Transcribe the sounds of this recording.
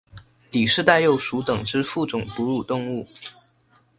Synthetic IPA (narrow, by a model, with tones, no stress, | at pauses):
li˨˩ʂɻ̩˥˧t̪a˥˧ɪjo˥˩ʊʂu˧˥t̪ɤ˨˩ŋʈ͡ʂɻ̩˥fu˥˩ʈ͡ʂʊ˨˩ŋpu˧˥ɻu˨˩t̪ʊ˥˧ŋu˥˩